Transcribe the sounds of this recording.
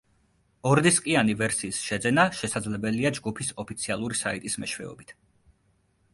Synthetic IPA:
ɔɾd̪iskʼianivɛɾsiːsʃɛd̪zɛnaʃɛsad̪zlɛbɛliad͡ʒɡupʰisɔpʰit̪sʰialˠuɾisait̪ʼismɛʃwɛ̰ɔ̰bit̪ʰ

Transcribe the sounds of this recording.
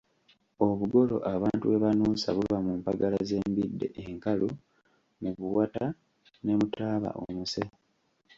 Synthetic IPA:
o̞βuɡo̞lo̞̰ʔaβaːntueβanuːsa̰βulβamumpaɡalaze̞ːmbidːe̞̰ʔeŋkalu | muβuwata | ne̞mutaːβa̰ʔo̰muse

